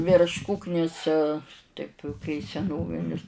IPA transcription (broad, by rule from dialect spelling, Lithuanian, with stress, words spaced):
ʋʲɪrʃ ˈkʊknʲɪs ˈtɐɪp kɐɪ sʲɛˈnoːʋʲɪnʲɪs